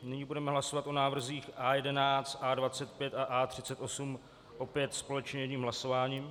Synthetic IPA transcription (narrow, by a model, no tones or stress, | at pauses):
nɪɲiːbudɛmɛɦlaso̞vat̪ʔo̞naːvr̩ziːxʔaːjɛdɛnaːt͡st̪ʔaːdvat͡sɛt̪̚pjɛt̪aʔaːt̪r̝̥ɪt͡sɛt̪ʔo̞sum | ʔo̞pjɛt̪spo̞lɛt͡ʃɲɛjɛɲiːmɦlaso̞vaːɲiːm